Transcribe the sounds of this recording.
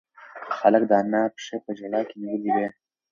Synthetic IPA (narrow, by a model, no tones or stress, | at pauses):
xalək̚d̪ɑnapʂepəd͡ʒalɑkeniwəliwe